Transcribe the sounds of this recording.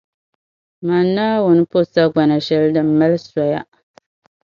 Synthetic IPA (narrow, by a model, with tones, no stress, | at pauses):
ma˨naː˦wʊ˨nɨ˦po˦sa˦ɡ͡ba˨na˨ʃɛ˦ldɨ˨m̩˦ma˦lsa˨ja˦